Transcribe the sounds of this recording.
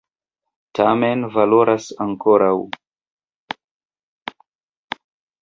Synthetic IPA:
tʰamenvaloɾʔasaŋkoɾaw

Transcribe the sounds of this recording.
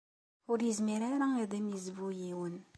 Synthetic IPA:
ʊɾjəzmiɾaɾaiðˤimjəzvujiwən

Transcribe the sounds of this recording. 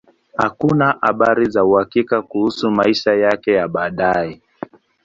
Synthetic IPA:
hakunaʔa̰ɓaɾizauhakikakuhusumaiʃajakɛjaɓaːɗaɛ

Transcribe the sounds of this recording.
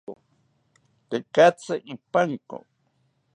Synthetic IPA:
o̰ | t̪ekat͡saʔipaŋko̰

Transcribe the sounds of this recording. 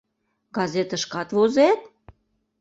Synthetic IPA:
ɡ̥ɑzet̪ə̆ʃkɑt̪βozet̪

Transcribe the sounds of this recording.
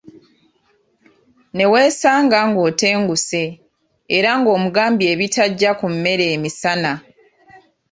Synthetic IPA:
ne̞we̞ːsaːŋɡaŋɡo̞ːte̞ːŋɡuse̞ː | ɾaŋɡo̞ːmuɡaːmbie̞βitaɟːakumme̞ɾe̞ːmisana

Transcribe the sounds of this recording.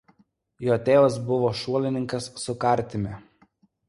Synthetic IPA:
joːt̪ʲeːʋɐs̬bʊʋoːʃuɔlʲɪnʲɪŋkɐsːʊkɐˑɾʲˑt̪ʲɪmʲɛ

